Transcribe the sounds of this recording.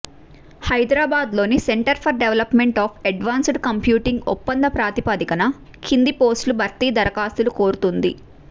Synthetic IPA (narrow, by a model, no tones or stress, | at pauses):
hɐjd̪ɾaːbaːd̪lo̞ːniseɳʈɐɾpʰɐɾɖeʋɐlɐpmeɳʈaːpʰɐɖʋaːnsɖkɐmpjuːʈiŋɡɔ̰pːɐnd̪ɐpɾaːt̪ipaːd̪ikɐnɐ | kʰind̪ipoːsʈlubʱɐɾt̪iːd̪ɐɾɐkaːst̪ulukoːɾut̪und̪ḭ